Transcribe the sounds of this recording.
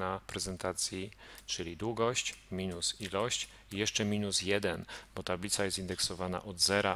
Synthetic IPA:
apɾɛzɛnt̪at̪sʲjit͡ʂɘlʲid̪wuɡɔɕt͡ɕmʲinusilɔɕt͡ɕ | jɛʂt͡ʂɛmʲinusjɛd̪ɛnbɔt̪ablʲit̪sajɛst̪ind̪ɛksɔvana̰ʔɔd̪zɛɾa

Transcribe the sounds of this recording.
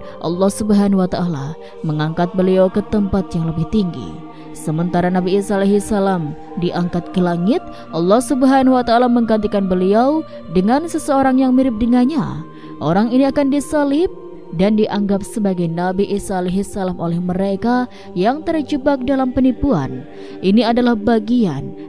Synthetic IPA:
ʔɑ̰lːɑhsubɦanuwat̪aʔala | məŋaŋkat̪̚bəliawkət̪əmpat̪jaŋləbɪht̪iŋɡḭ | səmənt̪aɾanabiːsaːleɦisalam | diʔaŋkat̪̚kəlaŋɪt̪̚ | ʔɑlːɔhsubɦanhuwat̪aalaməŋɡant̪̬ikanbəliaw | dəŋansəsəoɾaŋjaŋmiɾɪp̚dəŋanɲa̰ | ʔoɾaŋiniakandisalɪp̚ | dandiʔaŋɡap̚səbaɡajnabiʔisaːleɦisalamolɛhməɾeka | jaŋt̪ərd͡ʒubak̚dalampənipua̰n | ʔiniadalahbaɡian

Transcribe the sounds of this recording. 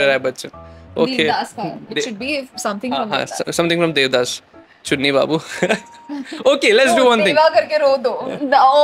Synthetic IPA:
əɾabɐtːt͡ʃəo̰ːkːeasɪʃʊɖbisɐ̃mt̪ʰɪ̃ŋɾɔ̃mɦã̰ːsɐ̃mt̪ɪ̃ŋfɾʌ̃md̪eːʋd̪aːs | t͡ʃʊnːiba̰ːbu | oːkelɛʈsduʋɐ̃nt̪ʰɪ̃ŋʋakɐɾkeɾoːd̪oː

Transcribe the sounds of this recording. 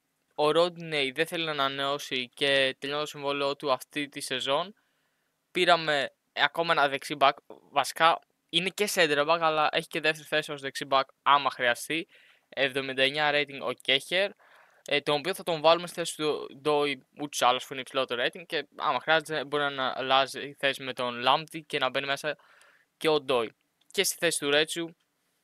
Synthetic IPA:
o̞ɾod̪neiðeθe̞linɐːnɐneo̞sice̞t̪eʎont̪osiɱvo̞lio̞t̪uɐft̪it̪ise̞zo̞n | piɾɐme̞ | ɐko̞mɐe̞nɐðe̞ksibɐk | vɐsi̥kɐ | ine̞ce̞sed̪ɾɐbɐkɐlɐʔe̞çi̥ce̞ðeft̪eɾiθe̞sios̬ðeksibɐk | ɐmɐxɾiɐst̪i | evðo̞mind̪ɐeɲɐɾe̞jt̪iŋɡo̞̰ce̞çe̞ɾ | t̪onopio̞θɐt̪o̞ɱvɐlumest̪i̥θe̞si̥t̪ud̪o̞iut̪o̥sɐlɐspuineipsilo̞t̪oɾejt̪iŋɡ̚ceɐ̰mɐxɾiɐzet̪ebo̞ɾinɐnɐlɐziiθe̞sime̞t̪o̞nlɐmt̪ice̞nɐbe̞nime̞sɐ | ce̞o̞d̪o̞i | ce̞st̪i̥θe̞si̥t̪uɾe̞t͡su

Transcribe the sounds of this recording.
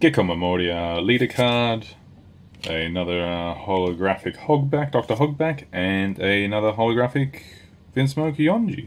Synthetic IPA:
ɡ̥ɛkʰə̃məmɔːɾiəliɾəkʰɑɹd | ɨnʌðə˞hɑlˠəɡɹæfɨkhɔɡ̚bæk̚d̥ɔk̚tə˞ɦʌɡ̚bækɨ̃nɨnʌðə˞ɦɑlˠəɡɹæfɪk | v̥ɪ̃nsmoʊkjɔ̃nd͡ʒʉ̰

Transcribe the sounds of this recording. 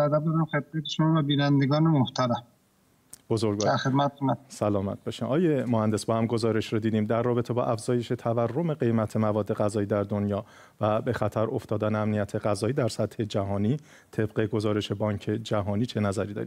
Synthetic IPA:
æd̪æb̚d̪ɒːɾæmxed̪̚mæt̪ʰeʃomɒːvæbiːnænd̪eɡɒːnemoht̪ʰæɾæm | bo̞zoɾɡɒd̪æɾxed̪̚mæt̪t̪ʰomasælɒːmæ̰t̪̚b̥eʃimʔɒːjemohænd̪esbɒːhæmɡo̞zɒːɾe̞ʃɾod̪iːd̪iːmd̪æɾːɒːbe̞t̪ʰe̞bɒ̰ːʔæfz̥ɒːje̞ʃe̞t̪ʰæværːo̞me̞ɢe̞jmæt̪ʰe̞mævɒːd̪ːe̞ɣæzɒːiːd̪æɾd̪o̞njɒː | væbe̞xæt̪ʰæɾo̞ft̪ɒːd̪æneæmnijæt̪ʰe̞ɣæzɒːjiːd̪æɾsæt̪he̞d͡ʒæɦɒːniː | t̪ʰe̞bɢe̞ɡo̞zɒːɾe̞ʃe̞bɒːɲcʰe̞d͡ʒæɦɒːniːt͡ʃʰe̞næzæɾid̪ɒ̰ɾim

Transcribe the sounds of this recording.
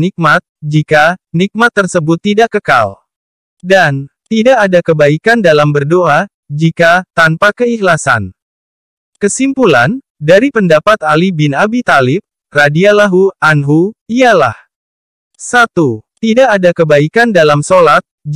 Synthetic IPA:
nik̚mat̪̚d͡ʒikanik̚mat̪ːərsəbʊt̪ːidaʔkəka̰l | dant̪idaʔːdakəbaikandalambərdoʔa | d͡ʒikat̪anpakəihlasa̰n | kəsimpulan | daɾipəndapat̪alibinabit̪alɪp̚ | radialaɦuanɦuiala̰h | sat̪ut̪idaʔːdakəbaikandalamsolat̪̚

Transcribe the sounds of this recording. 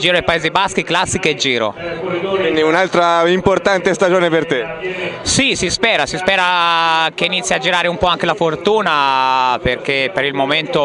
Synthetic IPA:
d͡ʒiːɾoajpaeːzibask̟iklasːiked͡ʒːiːɾo̰kwind̪iunalt̪ɾaimport̪ant̪est̪ad͡ʒoːnepert̪e | sisispɛːɾasispɛːɾakeiːnit̪sːjad͡ʒːiɾaːɾeumpɔaŋk̟elafort̪uːnaperkepeɾilmoment̪o

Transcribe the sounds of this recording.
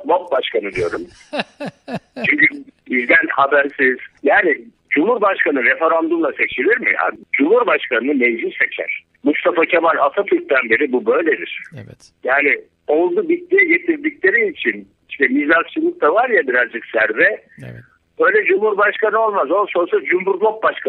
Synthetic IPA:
mop̚baʃkʰanɯd̪ijo̞ɾum | t͡ʃʰyɲcybizd̪ænhabæɾsiz̥jaːni | d͡ʒumhuɾbaʃkanɯɾefe̞ɾand̪umlˠase̞t͡ʃʰilʲiɾmḭja̰d͡ʒumhuɾbaʃkanɯnɯmed͡ʒiset͡ʃʰæ̰ɾ̥ | must̪ʰafacʰamalʲat̪ʰat̪ʰyɾk̚t̪anbe̞ɾibubø̞jlʲed̪iɾ̥ | jaːnɪ | o̞lˠd̪ubit̪̚d̪ijɛɟe̞t̪ʰiɾd̪iclʲe̞ɾiit͡ʃʰin | iʃt̪ɛmid͡ʒɾakt͡ʃʰɯlˠɯk̚t̪avaɾjabiɾazd͡ʒɯksæɾvɛ | ø̞jlʲɛd͡ʒumhuɾbaʃkanɯo̞lˠmazonsonsad͡ʒumɦuɾlˠop̚baʃkʰa

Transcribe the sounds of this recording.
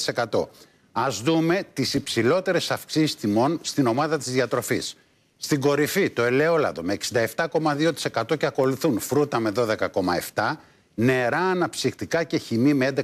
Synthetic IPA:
ise̞kɐt̪o̞̰ | ɐzðume̞t̪isipsilo̞t̪e̞ɾe̞sɐfksisi̥st̪imo̞nst̪ino̞mɐðɐt̪izðiɐt̪ɾo̞fisː | t̪iŋɡo̞ɾifit̪o̞e̞le̞o̞lɐ̰ðo̞me̞ːksind̪ɐeft̪ɐko̞mɐðio̞t̪i̥se̞kɐt̪o̞ceɐko̞luθunfɾut̪ɐme̞ðo̞ðe̞kɐko̞mɐ̰eft̪ɐ | ne̞ɾɐːnɐpsixt̪ikɐce̞çimimeend̪e

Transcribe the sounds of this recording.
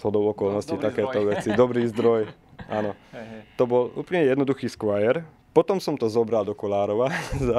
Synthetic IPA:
ɦɔd̪ɔʊɔkɔlnɔscit̪akɛːt̪ɔʋɛt͡sid̪ɔbɾiːzd̪ɾɔj | ʔa̰ːnɔt̪ɔbɔlṵːpl̩ɲɛjɛd̪nɔd̪uxiːskʋajɛɾ | pɔt̪ɔmsɔmt̪ɔzɔbɾald̪ɔkɔlaːɾɔʋaza

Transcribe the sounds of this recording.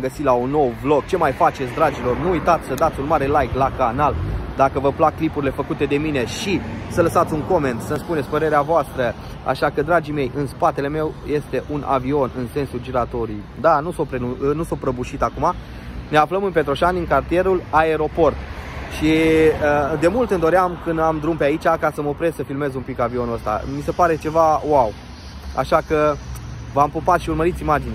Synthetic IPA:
ɡəsilaunːo̞wvlo̞ɡ̚t͡ʃe̞majfat͡ʃe̞t̪sʲd̪ɾad͡ʒilo̞rnuujt̪at̪sʲsəd̪at̪sʲunmaɾe̞lajklakanald̪akəvəplak̚kːlipuɾile̞fəkut̪e̞d̪e̞mine̞ʃisələsat̪sʲuŋko̞me̞nt̪səspunet̪sʲpəɾe̞ɾeavoast̪ɾə | a̰ʃakəd̪ɾad͡ʒime̞jʔɨnspat̪e̞le̞me̞wje̞st̪e̞ʔunʔa̰vio̞nɨnse̞nsud͡ʒiɾat̪o̞ɾi | d̪anusopɾenunusopɾəbuʃit̪akuma | ne̞afləmɨnpe̞t̪ɾo̞ʃaniŋkart̪ije̞ɾulae̞ɾo̞po̞rt̪ʃiəd̪e̞mult̪ɨnd̪o̞ɾeamkɨnd̪amd̪ɾumpeait͡ʃakasəməopɾe̞z̥səfilme̞zumpikavio̞nuəst̪a̰mise̞paɾe̞t͡ʃe̞vawaw | a̰ʃakə | vampopat̪ʃiurməɾit̪simad͡ʒinea

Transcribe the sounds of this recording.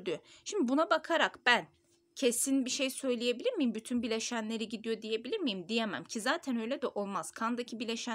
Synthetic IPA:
d̪yʃimd̪ibunabakʰaɾakb̥æn | cʰe̞sinbiʃe̞jsø̞jlʲˠije̞bilʲiɾmijimbyt̪ʰynbilʲe̞ʃænlʲe̞ɾiɟid̪ijo̞d̪ije̞bilʲiɾmijimd̪ijemæ̰mcʰizaːt̪ʰænø̞jlʲɛd̪ɛʔo̞lˠmaz̥kʰand̪acʰibilʲeʃæ

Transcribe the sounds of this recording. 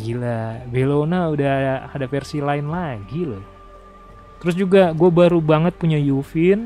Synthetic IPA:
ilabelonaudahahadafɛrsilaɪnlaɡilʊ | t̪əɾʊsd͡ʒuɡaɡuabaɾubaŋət̪̚puɲajufɪn

